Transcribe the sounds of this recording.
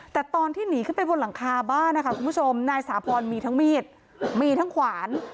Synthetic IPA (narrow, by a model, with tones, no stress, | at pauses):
t̪ɛː˨˩t̪ɔː˧nt̪ʰiː˥˩niː˩˦kʰɯ˥˩npa˧jbo˧nla˩˦ŋkʰaː˧baː˥˩ŋn˦˥kʰa˦˥ku˧npʰu˥˩t͡ɕʰo˧mnaː˧jsaː˩˦pʰɔː˧nmiː˧t̪ʰa˦˥ŋmiː˥˩t̪̚ | miː˧t̪ʰa˦˥ŋkʰwaː˩˦n